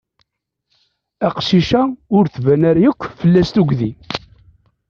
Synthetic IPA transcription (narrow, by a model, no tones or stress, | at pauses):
æqʃiʃæʊɾθvænæɾjəkʷːfəlːæst̪uɡði